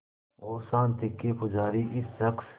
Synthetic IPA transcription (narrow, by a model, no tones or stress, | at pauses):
oːsaːnt̪ʰɪkːeːpʊd͡ʒaːɾiːʔɪsːɐks